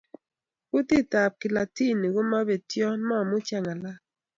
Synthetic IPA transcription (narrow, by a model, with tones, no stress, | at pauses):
ku˦ti˦ta˨p̚ki˨la˨ti˦˨ni˨ɡo˦ma˦be˨tjɔ˦ma˦˨mu˦t͡ʃa˦ŋa˨la˦